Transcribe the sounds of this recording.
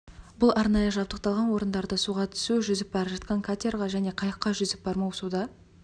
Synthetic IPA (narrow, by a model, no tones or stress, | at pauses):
bʊlˠʔɑɾnɑjəʒɑp̚t̪əq̚t̪ɑlˠʁɑnwo̞ɾənd̪ɑɾd̪əsuʁɑt̪ʰʏ̥suwʒʏzɪp̚bɑɾəpʒɑt̪̚qɑŋkʰat̪ʲerʁɑʒæne̞qʰɑjəqːɑʒʏzɪp̚bɑɾmɑwsud̪ɑ